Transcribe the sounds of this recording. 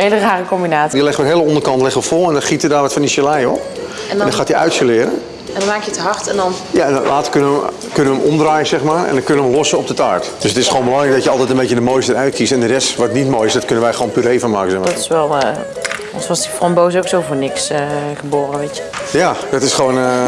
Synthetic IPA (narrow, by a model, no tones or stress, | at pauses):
eːləraːrəkɔmbinaːdilɪxəʋətɦeələɔndərkɑntlɪχəʋəfolˠɛndɔnχitədaːrʋɔtfɔndisəlɛjɔp̚ | ɛdɔnxaːtiœ̰ɥtsəlɪəɾə̰n | ɛdmaːkjətəɦɑrtɛndɔn | jaɛnlʔaːtə̥kønəə | kønənʋəmʔɔmdraːjəzɛxmaːrɛ̰ndɔnkønəəlɔsəɔp̚dətaːɹtd̥øsətɪsχəʋoːnmbəlɑŋrɛjk̚dɔtjəɑlˠtɛjtənbecədəmojstədəɾœɥt̚kʰistɛndərɛstʋɑtnitmoːjɪsdɔtkønənʋɛjχəʋownpyːɾejfənma̰ːkəsɛxmdɔtɪ̥sʋɛlˠ | ɔnsʋɔsdifɔnbowsowksowvoːnɪksχəboːrəʋetəjadɔtɪsχəʋon